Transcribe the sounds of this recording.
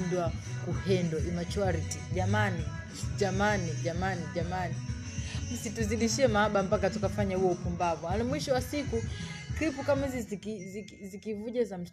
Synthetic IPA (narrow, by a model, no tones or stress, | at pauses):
ndwakuhɛndwaʔimat͡ʃuaɾiti̥ʄamani | ʄamaniʄamaniʄamani | m̩situziɗiʃiɛmaaɓampakatukafaɲahuwɔupumbavualimwiʃɔwasikukɾipukamizizikizi | zikivuʄazam̩